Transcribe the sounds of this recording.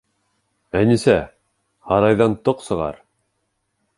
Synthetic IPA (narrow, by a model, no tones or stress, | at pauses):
ænisæ | hɑɾɑjðɑnt̪oqsɤ̆ʁɑ̰ɾ